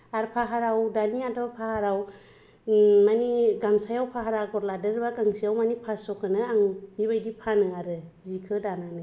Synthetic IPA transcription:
aɾpʰaɦaɾawdaniatʰabapʰahaɾaw | maniɡamsajawpʰaɦaɾaɡɔɾladɯɾbakaŋsijawmanipʰasɔkɯnɯaŋbibajdipʰanɯaɾɯ | zikʰɯdananɯ

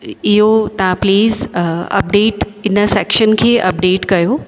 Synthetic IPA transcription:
ɪɦot̪ɐɦãpliːzɐ̰pɖeːʈ | ɪnəsɛːkʃənkʰeːʔɐ̰p̚ɖeːʈkɐjoː

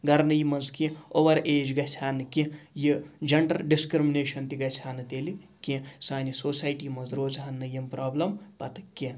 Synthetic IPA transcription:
ɡɐɾnɨjmɐnzkĩoːʋɐɾeːd͡ʒɡɐt͡sʰaːnɨkĩjid͡ʒɐɳɖɐɾɖiskɾimineːʃɐnt̪iɡɐt͡sʰaːnɨt̪eːli | kĩsaːnisoːsaːjʈiːmɐnzɾoːzɦaːnːɨjimpɾaːblɐmpɐt̪kẽ

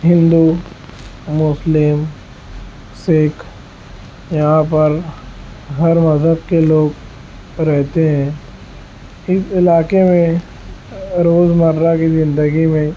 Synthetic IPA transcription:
ɦɪ̃nd̪u | mʊslɪm | sɪkʰ | jɐɦãp̬ɐɾ | ɡʱɐɾmɐzɦəb̚keloːɡ | ɾɛɦt̪eɦɛ̃ː | ɪsɪlaːkemẽ | ɾoːzmɐɾːakizɪ̃nd̪əɡimẽ

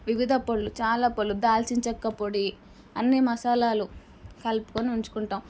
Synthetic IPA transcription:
ʋiʋid̪ʱɐpoɭːut͡ʃaːlapoɭːud̪aːlt͡ʃiɲt͡ʃɐkːɐpoɽi | ɐnːimɐsaːlaːlu | kɐlpu̥koniuɲt͡ʃu̥kuɳʈaːm

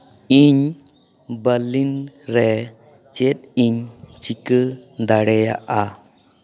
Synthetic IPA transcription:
iɲ | bəlinɾɛ | t͡ʃet̪̚iɲt͡ʃikəd̪aɽɛja̰ʔa

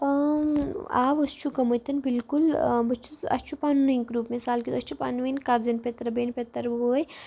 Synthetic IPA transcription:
aːʋɐst͡ʃʰuɡɐmɐt̪ɐnbilkulbɐt͡ʃʰuzɐ̰t͡ʃʰupaːnnɐinkɾuːpmẽsaːlkʲit̪ɐt͡ʃʰupaːnʋenkaːzɐnpet̪ɾɐbeːnpet̪ɐɾoj

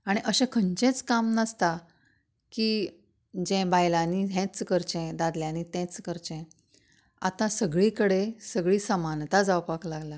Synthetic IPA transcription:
aɽ̃iʔəɕẽkʰəɲt͡ɕẽt͡skamnəst̪a | kiː | d͡ʑɛ̃bajlãniːɦɛ̃t͡skəɾt͡ɕɛ̃d̪ad̪ljãnit̪ɛ̃t͡skəɾt͡ɕɛ̃ | a̰t̪ãsəɡɭiːkəɽesəɡɭiːsəmant̪ad͡zawpaklaɡla

